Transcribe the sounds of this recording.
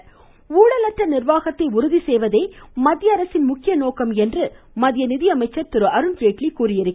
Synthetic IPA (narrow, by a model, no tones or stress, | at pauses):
uːɽɐlɐʈrɐnɪrʋaːɣɐt̪ːɐɪʊɾʊðisɛjʋɐðɐɪmɐðɪjɐːɾɐsɪnmʊkːɪjɐnoːkɐmɛndrɯ | mɐðɪjɐnɪðɪjɐmɐɪt͡ʃːɐɾt̪ɪɾɯʔɐɾɯneːʈɭikuːɾɪjɪɾɯkː